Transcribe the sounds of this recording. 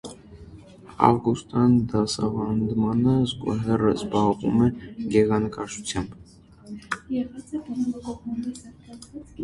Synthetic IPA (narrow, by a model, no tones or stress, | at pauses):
ɑ̰vɡust̪ɑnd̪ɑsɑ̰vɑnd̪mɑnəzɡṵɦɛrə̰zbɑʁvṵmɛɡɛʁɑnəkɑʃut͡sʰjɑmb